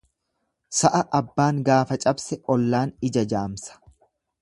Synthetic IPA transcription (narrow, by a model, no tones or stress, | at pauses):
sɐʔɐʔɐbːaːŋɡaːfɐt͡ʃʼɐbsɛʔɔlːaːnɪd͡ʒɐd͡ʒaːmsɐ̥